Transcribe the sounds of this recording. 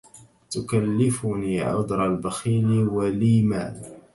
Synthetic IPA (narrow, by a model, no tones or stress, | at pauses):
t̪ʊkalːɪfʊniːʕʊ̰d̪ɾˤɑlbaxiːliwaliːma̰ːl